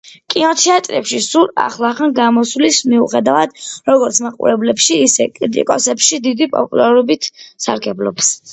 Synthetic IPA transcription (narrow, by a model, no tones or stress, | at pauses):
kʼinɔt̪ʰiat̪ʼɾɛ̰pʃisuɾa̰χlˠaχanɡamɔslismiuχɛd̪avad̪̥ɾɔɡɔɾt̪sʰmaqʼṵɾɛblɛpʃiːsɛkʼɾit̪ʼḭkʼɔsɛpʃid̪id̪ipʼɔpʼṵlˠaɾɔbit̪ʰsa̰ɾɡɛblˠɔps